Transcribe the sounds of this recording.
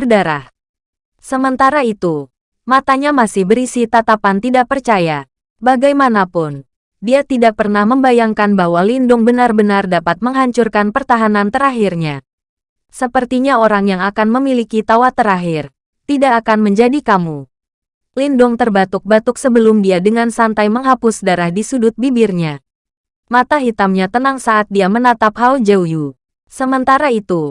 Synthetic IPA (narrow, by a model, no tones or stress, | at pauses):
rdaɾah | səmənt̪aɾait̪u | mat̪aɲamasɪhbəɾisit̪at̪apant̪idaʔ̚pərt͡ʃaja | baɡajmanapʊn | diat̪idak̚pərnahməmbajaŋkanbahwalindʊŋbənarbənardapat̪̚məŋɦaɲt͡ʃʊrkanpərt̪aɦanant̪əɾaɦirɲa | səpərt̪iɲaoɾaŋjaŋakanməmilikit̪awat̪əɾaɦɪr | t̪idakːkanməɲd͡ʒadikamu | lindʊŋt̪ərbat̪ʊk̚bat̪ʊksəbəlʊmdiadəŋansant̪ajməŋɦapʊsdaɾahdisudʊt̪̚bibɪrɲa | mat̪aɦit̪amɲat̪ənaŋsaʔat̪̚diamənat̪aphald͡ʒəwju | səmənt̪aɾait̪u